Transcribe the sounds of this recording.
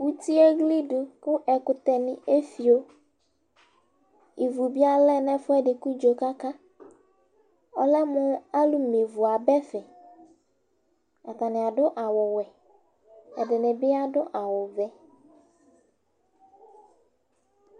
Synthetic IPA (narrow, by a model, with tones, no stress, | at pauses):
wu˦ti˦e˦ɣli˦dʊ˨kʊ˦ʔɛ˨kʊ˨t̪ɛ˨nɪ̃˨e˦fi˨o˦ | i˨vu˨bi˦a˦lɛ˦nɛ̃˦fʊ˦ɛ˦dɪ˨ku˦d͡ʒo˨ka˦ka˦ | ɔ˦lɛ˦mʊ̃˦a˦lʊ˨me˨vʊ˨a˨bɛ˦fɛ˨ | a˨t̪a˨nɪ˨a˨dʊ˦ʔa˨wʊ˨wɛ˨ | ɛ˨dɪ˨nɪ̃˨bɪ˦a˦dʊ˦ʔa˨wʊ˨vɛ˦